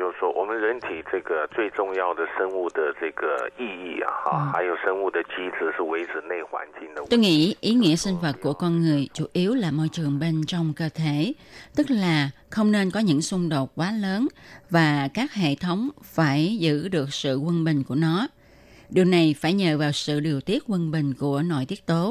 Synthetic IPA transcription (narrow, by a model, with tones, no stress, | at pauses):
jo˥˧ʊʂwɔ˦˥wʔɔ˨˩mə˨nlə˨˦nt̪ʰi˨˩ʈ͡ʂə˥˧˩ɡə˩t͡swe˥˧ɪʈ͡ʂʊ˥˧ŋja˥˧ʊd̪ə˩ʂə˦˥ŋu˥˩d̪ə˩ʈ͡ʂə˥˩ɡə˩i˥˧i˥˩a̰˨˩˧xa˧˦ɪjo˨˩ʊʂə˥ŋu˥˩d̪ə˩t͡ɕi˦˥t͡sɹ̩˨˩ʂɻ̩˥˩we˧˥ɪʈ͡ʂ̩˨˩ne˥˩ɪxwa̰˧˥nt͡ɕi˧ŋd̪ə˧t̪o˧jŋḭ˧˥ʔi˨˦ŋḭ˧˥əsï˧ŋ̟və˨˩t̚kːu˧˩əkɔ˧nŋɨ˨˩əjt͡ɕu˧˩˦ʔi˨˦əwlaː˨˩mɔ˧jt͡ɕɨ˨˩əŋɓe˧nt͡ɕɔ˧wŋ͡mkəː˧t̪ʰe˧˩˨t̪ɨ˦˥k̚laː˨˩ | xə˧wŋ͡mne˧nkɔ˨˦ɲɨ̰˧˥ŋsʊ˧ŋ͡mɗo˨˩t̚kwaː˨˦ləː˨˦nvaː˨˩kaː˦˥k̚ɦḛ˧˨t̪ʰə˨˦wŋ͡mfaː˧˩jzɨ̰˧˥ɗɨ˨˩ək̚sɨ̰˧˨kwə˧nɓï˨˩ŋ̟ku˧˩ənɔ˨˦ | ɗi˨˩əwna˨˩jfaː˧˩jɲə̰ː˧˨vaː˨˩wsɨ̰˧˨ɗi˨˩əwt̪i˦˥ət̚kwə˧nɓï˨˩ŋ̟ku˧˩ənɔ̰˧˩jt̪i˦˥ət̚t̪o˨˦